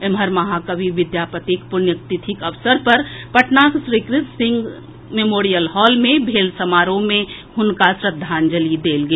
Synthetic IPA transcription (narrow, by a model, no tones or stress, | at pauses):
emɦəɾmɐɦakəbʱiʋɪd̪jaːpət̪ikpʊɾnjək̚t̪ɪt̪ʰɪkəʋsəɾpəɾpəʈnaksɾikɾɪt̪sɪ̃ŋɡ | memoːɾijəlhɔːlmẽbʱeːlsəmaːɾõmẽ | ɦʊnkasɾəd̪ʱːaːnd͡ʒəlid̪eːlɡe